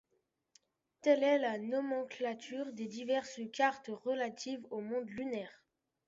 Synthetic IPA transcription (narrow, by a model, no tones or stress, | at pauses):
t̪ɛlɛlanɔmɑ̃klat̪ʰyʁd̪ed̪ivɛʁskʲaʁt̪ʁəlat̪ʰivomɔ̃d̪lynɛːʁ